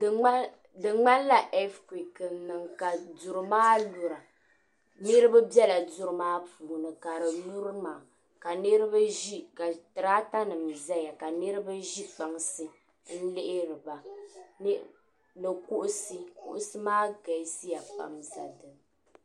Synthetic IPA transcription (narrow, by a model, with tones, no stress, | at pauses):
dɨ˨ŋ͡ma˦n˦la˦ʔɛ˦fkwi˨kɨ˨nɨ˨ŋka˨du˨ɾɨ˨maː˦lu˨ɾa˨ | nɨ˦ɾɨ˦ba˦bɛ˦la˨du˦ɾɨ˦maː˦puː˨nɨ˨ka˨ɾɨ˨nu˦ɾɨ˦maː˨ | ka˨nɨ˦ɾɨ˦ba˦ʒi˦ka˨tɨ˨ɾaː˦ta˦nɨ˨mza˦ja˨ka˨nɨ˦ɾɨ˦ba˦ʒi˦k͡pa˨ŋsɨ˦ | n̩˦lɪ˦ʔɪ˦ɾɨ˨ba˨n˦ | nɨ˨ku˦ʔʊ˦sɨ˦kṵ˦ʔʊ˦sɨ˦maː˦ɡa˨˦si˦ja˨k͡pa̰˨mza˨dɨ˨m